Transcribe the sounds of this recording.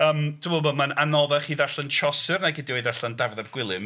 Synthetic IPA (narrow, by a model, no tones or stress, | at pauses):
əːmtʰɪmoːlˠboːmananɔðɛχiðaɬənt͡ʃʰɔsɨrnaɡɪdiɔɨðaɬandavðɛrɡ̥wɪlˠɨm